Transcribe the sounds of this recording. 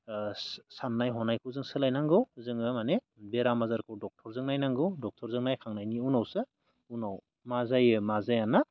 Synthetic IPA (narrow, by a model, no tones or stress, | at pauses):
sanːajɦɔnajkʰɯwzɯŋsɯlajnaŋɡɯwzɯŋɯmane | beɾamazaɾkʰɯwdɔk̚tʰɔɾzɯŋnajnaŋɡɯwdɔk̚tʰɔɾzɯŋnajkʰaŋnajniunawsɯ | unaw | mazajɯmazajana